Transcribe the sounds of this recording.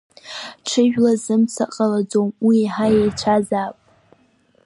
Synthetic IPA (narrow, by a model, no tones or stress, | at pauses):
ʈ͡ʂʰɨʒᶣlazɨmt͡sʰaqʼalad͡zomwiːħajejt͡ɕʷʰazaːpʼ